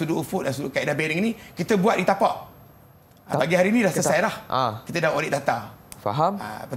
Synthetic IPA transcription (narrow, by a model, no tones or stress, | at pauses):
suduʔufʊʔansudukaiʔdabɛɾiŋinĩkit̪əbuat̪ʔ̚dit̪apaʔ | baɡiɦaɾiːnĩdahsəsajlahakit̪ədaʔolɪʔdat̪afa̰ɦama̰pə